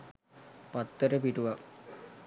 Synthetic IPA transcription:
pat̪ːəʈəpiʈuʋa

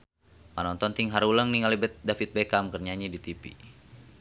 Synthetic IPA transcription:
manɔnt̪ɔnt̪iŋɦaɾuləŋniŋalibət̪̚dafit̪̚bɛkamkərɲaɲidit̪ipḭ

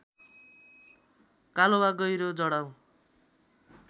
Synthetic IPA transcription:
kalowaɡʌjɾod͡zʌɽaw

